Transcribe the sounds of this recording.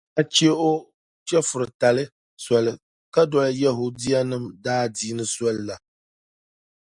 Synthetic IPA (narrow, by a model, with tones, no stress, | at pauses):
a˨t͡ʃe˦ʔo˦ | t͡ʃɛ˦fʊ˨ɾɨ˨ta˨lɨ˦ | sɔ˨lɨ˨ | ka˦dɔ˨lɨ˦ja˦ɦo˨di˦ja˦nɨ˦˨mdaː˦diː˦nɨ˦sɔ˦lla˨